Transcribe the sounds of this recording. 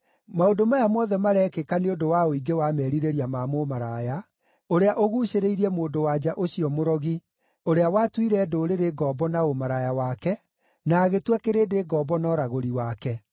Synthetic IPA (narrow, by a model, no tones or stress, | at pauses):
maondomajamɔðɛmaɾɛkekaneondowaoiɡewamɛɾiɾeɾiamamomaɾaja | oɾeaʔoɣuːɕeɾeiɾiɛmoːdowad͡ʑaʔoɕiɔmoɾɔɣi | oɾeawatwiɾɛːdoɾeɾeɡɔbɔnaomaɾajawakɛ | naːɣetwɛkeɾeːdeɡɔbɔnɔɾaɣoɾiwakɛ